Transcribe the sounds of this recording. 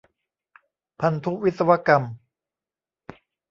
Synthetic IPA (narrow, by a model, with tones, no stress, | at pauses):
pʰa˧nt̪ʰu˦˥wi˦t̪̚sa˧wa˦˥ka˧m